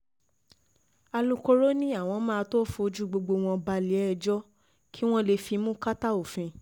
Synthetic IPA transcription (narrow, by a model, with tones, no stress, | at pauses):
a˧lũ˧ko˧ɾo˦nĩ˦a˦˨w̃ɔ̃˧mã˦˧to˦fu˧o˧˦d͡ʒu˦ɡ͡bo˧ɡ͡bo˧w̃ɔ̃˧ba˧li˨ɛ˦˨d͡ʒɔ˦ | kʰi˦w̃ɔ̃˦le˧fi˧mũ˦ka˦ta˦o˨fĩ˧